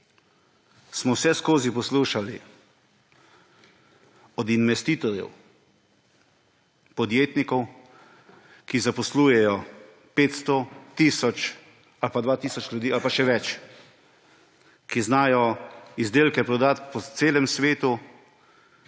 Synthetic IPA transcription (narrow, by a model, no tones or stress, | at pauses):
smɔwsɛskoːzipɔsluːʃali | ɔd̪inmɛst̪iːt̪ɔɾjɛ̰w | pɔd̪jeːt̪nikɔw | kizapɔsluːjɛjɔ | peːt̪st̪ɔt̪iːsɔt͡ʃ | alpad̪ʋaːt̪iːsɔt͡ʃlʲjud̪iːalpaʃɛʋɛt͡ʃ | kiznaːjɔizd̪eːlkɛpɾɔd̪aːt̪pɔt̪seːlɛmsʋeːt̪u